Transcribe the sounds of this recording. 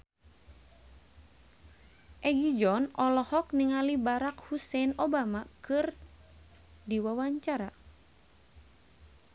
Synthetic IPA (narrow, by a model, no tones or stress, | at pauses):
ʔɛɡid͡ʒɔnɔlɔhɔkniŋalibaɾakhusɛnɔbamakɨr | diwawaɲt͡ʃaɾa